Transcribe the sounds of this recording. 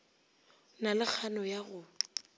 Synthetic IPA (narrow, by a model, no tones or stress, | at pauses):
nalɪk͡xʰanɔjaɣʊ